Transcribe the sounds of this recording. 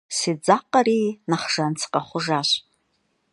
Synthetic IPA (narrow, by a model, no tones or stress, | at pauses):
sid͡zaqʼaɾinaχʐ̥ant͡sʰqʼaχʷʊʐaɕ